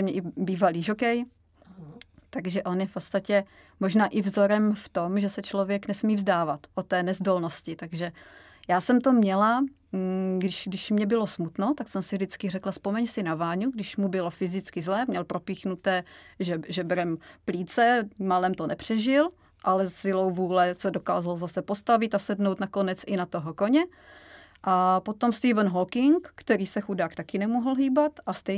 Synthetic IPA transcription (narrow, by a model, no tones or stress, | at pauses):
ɛmɲɛʔɪbiːvaliːʒokɛj | t̪aɡʒɛʔo̞njɛfpot̪st̪acɛ | moʒnaːʔɪvzo̞ɾɛmft̪omʒɛsɛt͡ʃlo̞vjɛknɛsmiːvzdaːvat̪ʔot̪ːɛːnɛzdolnoscɪt̪aɡʒɛ | jaːsɛmt̪omɲɛla | ɡdɪʃɡdɪʃmɲɛbɪlosmut̪not̪aksɛmsɪvdɪt͡skɪr̝ɛklaspomɛɲsɪnavaːɲuɡdɪʃmubɪlofɪzɪt͡skɪzlɛːmɲɛlpɾo̞piːxnut̪ɛːʒɛʒɛbɾɛmpliːt͡sɛmalɛmt̪onɛpr̝̥ɛʒɪl | ʔalɛsɪlowvuːlɛsɛdoka̰ːzalzasɛpost̪avɪt̪asɛdnowt̪nako̞nɛt͡sʔɪnat̪oɦokoɲɛ | ʔapot̪o̞mst̪iːvənɦokɪŋkkːt̪ɛɾiːsɛxudaːkt̪akɪnɛmuɦl̩ɦiːbat̪ʔast̪ɛj